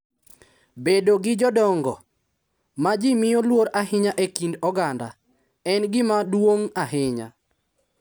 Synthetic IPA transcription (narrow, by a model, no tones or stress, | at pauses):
bedoɡɪd͡ʒɔdɔŋɡɔ | mad͡ʒimɪjolwoɾahɪɲaʔekindɔɡanda | ɛnɡɪmadwoŋaɦɪɲa̰